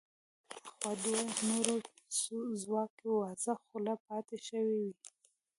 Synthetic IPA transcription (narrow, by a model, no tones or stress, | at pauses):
xwad̪eanoɾop | suzwɑkewɑzaxulapɑt̪eʃəwewi